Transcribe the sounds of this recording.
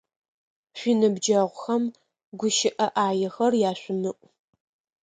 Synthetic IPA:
ɕʷiːnɨbd͡ʒɐʁʷʊxɐm | ɡʷʊʃɪʔɐʔaːjɛxɐrjaːɕʷʊmɨʔʷʼ

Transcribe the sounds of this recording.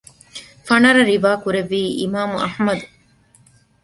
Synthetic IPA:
fɐnɐɾɐɾiʋaːkuɾeʋːiːʔimaːmuʔɐhmɐd̪u

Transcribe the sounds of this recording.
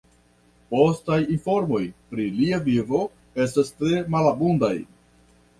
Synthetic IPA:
po̞stajinfo̞ɾmo̞jpɾiliavivo̞ | e̞s̬tastɾe̞malabundaj

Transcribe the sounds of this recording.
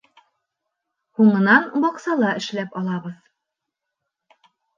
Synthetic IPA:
huɴɤ̆nɑnbɒqsɑlˠɑɘ̆ʃlæpɒlˠɑβɤð

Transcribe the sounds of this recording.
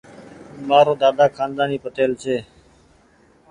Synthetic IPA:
maːɾoːd̪aːd̪aːkʰãːnd̪aːniːpət̪eːlt͡ʃʰeː

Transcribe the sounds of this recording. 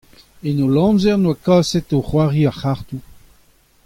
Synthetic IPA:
enolɑ̃zɛʁnwakaːsɛtoχwaːʁiaχaʁt̪u

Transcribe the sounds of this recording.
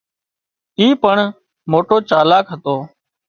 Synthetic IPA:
iːpəɳ | moːʈoːt͡ʃaːlaːkɦət̪oː

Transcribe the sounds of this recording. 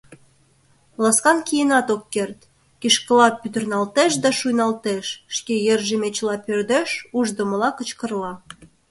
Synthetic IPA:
lɑskɑnkʲijenɑt̪okːert̪ | kʲiʃkəlɑpyt̪ə̆rnɑlt̪eʃd̪ɑʃujnɑlt̪eʃʃkejerʒemet͡ɕlɑpørd̪eʃuʒd̪əməlɑkət͡ɕkə̆rlɑ

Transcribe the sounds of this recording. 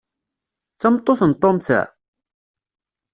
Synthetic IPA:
t͡sːɑmt̪ˤːoθənt̪ˤːomθæ̰

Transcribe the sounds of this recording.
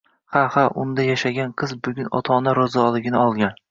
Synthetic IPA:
hahaʔʊnd̪ajaʃaɡʲanqʰɨzbʊɡʲʊnɒ̰t̪ʰɒnaɾɒzɒlˠɪɡʲɪnɪɒlˠɡʲan

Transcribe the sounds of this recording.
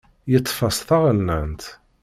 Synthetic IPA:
jət̪ˤːfɑsθəʁəlːænt̪

